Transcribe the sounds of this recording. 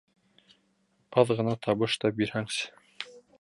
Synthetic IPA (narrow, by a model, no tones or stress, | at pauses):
qɑðʁɤ̆nɑt̪ʰɑβɤʃt̪ɑbiɾhæŋs